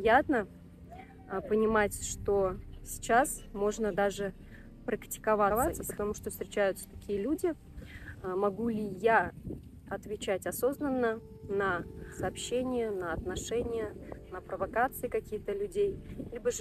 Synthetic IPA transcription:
jat̪nə | pənʲɪmatʲʂt̪o̞sʲɪ̥t͡ɕasmo̞ʐnəd̪aʐɨ | pɾəktʲɪ̥kɐvavasəspət̪ɐmuʂt̪ofst̪ɾʲɪt͡ɕæjʊt̪sə̥t̪ɐkʲijəlʲudʲɪ | mɐɡulʲɪja | ɐt̪vʲɪt͡ɕætʲɐso̞znənːə | nəsɐːpɕːenʲɪjənəɐt̪nɐʂɛnʲɪjənəpɾəvɐkat̪sɨɪkɐkʲijt̪əlʲʉdʲejilʲɪbəʐ

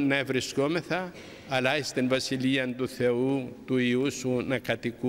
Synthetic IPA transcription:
nɐevɾisko̞me̞θɐː | lɐist̪invɐsiliɐnt̪uθe̞ut̪uiusunɐkɐt̪iku

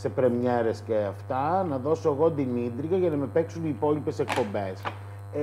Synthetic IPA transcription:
se̞pɾe̞mɲe̞ɾe̞sceɐft̪ɐnɐðo̞soeɣo̞d̪imit̪ɾiɣɐʝɐnɐme̞pe̞ksunipo̞lipe̞sek̚po̞mbe̞s

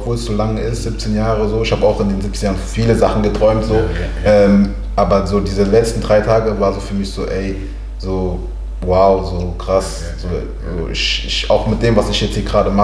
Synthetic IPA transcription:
pv̥oːlsz̥oːlaŋɪstz̥ɪp̚t͡seːnjaːʁəzoːɪçhaːbəaʊxɪndeːnzɪp̚t͡senjaːʁənfiːləzaχn̩ɡətʁ̥ɔʏmtz̥oː | ʔɛːm | ʔaːbɐzoːdiːzəlɛt͡stn̩dʁaɪtʰaːɡəvaːɐzoːfyːɐmɪçz̥oːʔɛɪ | z̥oː | waʊzoːkʁ̥as | z̥oː | zoːʔɪ̰çɪça̰ʊxmɪt̚d̥eːmvasɪçjɛt͡sthiːɐɡʁaːdəma

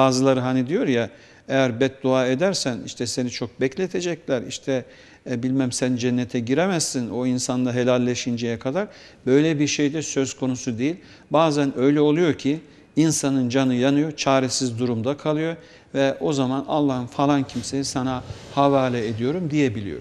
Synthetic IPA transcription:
baːzɯlˠaɾɯɦanid̪ijo̞ɾja | ejæɾbɛt̪̚d̪oaːe̞d̪æɾsænḭʃt̪ʰɛse̞nit͡ʃʰo̞k̚bɛclʲet̪ʰe̞d͡ʒɛclʲæɾiʃt̪ʰɛ | bilʲmæmsænd͡ʒɛnːet̪ʰɛɟiɾemæzsino̞insand̪aɦe̞lʲælʲːeʃind͡ʒejɛkʰad̪aɾ | bø̞jlʲɛbiɾʃe̞jd̪ɛsø̞zkʰo̞nusud̪ejilʲ | baːzænø̞jlʲɛo̞lˠujo̞ɾcʰi | insanɯnd͡ʒanɯjanɯjo̞t͡ʃʰaːɾɛsizd̪uɾumd̪akʰalˠɯjo̞ | vɛo̞zamana̰lˠːahɯnfalˠancʰimse̞jisanahavaːlʲɛed̪ijo̞ɾumd̪ijebilʲḭjo̰ɾ

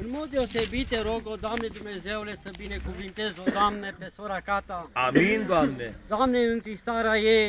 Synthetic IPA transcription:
ɨnmod̪̚d̪eosebit̪eɾoɡod̪oamned̪umnezewlesəbinekuvint̪ezod̪oamnepesoɾakat̪aa̰mind̪oamnḛd̪oamneɨŋk̪ɾist̪aɾaje

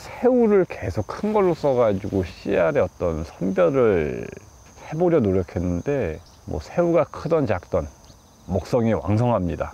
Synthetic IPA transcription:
sʰeuɾɯɭke̞sʰok̚kʰɯnɡʌɭːos͈ʌɡad͡ʑuɡoɕ͈ʰiaɾe̞ʌt͈ʌnsʰʌnbjʌɾɯɭ | he̞boɾjʌnoɾjʌkʰe̞nːɯnde̞ | mwʌ̰sʰe̞uɡakʰɯdʌnt͡ɕak̚t͈ʌn | mʌk̚s͈ʌŋiwa̰ŋs̬ʰʌŋɦamɲida

